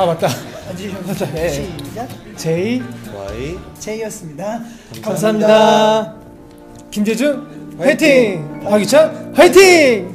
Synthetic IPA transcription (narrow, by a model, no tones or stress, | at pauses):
abat̚t͈a | aaa | t͡ɕei | t͡ɕeiʌs͈ɯmɲida | kamsʰaɦamɲida | kimd͡ʑed͡ʑueɭtʰipaɡit͡ɕʰʌheɭtʰiŋ